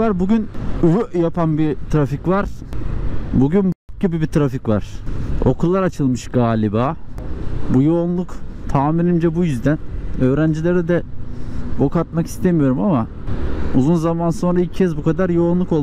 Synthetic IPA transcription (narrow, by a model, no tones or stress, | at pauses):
aɾbuɟynyøjapʰanbit̪ʰɾaficvaɾ̥ | buɟynbak̚ɟibibit̪ʰɾaficvaɾ̥o̞̰kʰulˠːaɾat͡ʃʰɯlˠmɯʃɡ̥aːlʲibaː | bujo̞ːnlˠukt̪ʰaːmiɾind͡ʒɛbujyzd̪ænø̞ːɾænd͡ʒilʲeɾɛd̪ɛ | bo̞kat̪maki̥st̪ʰemijo̞ɾumama | ṵzunzamanso̞nɾailʲccʰɛzbukʰad̪aɾjo̞ːnlˠuko̞lˠ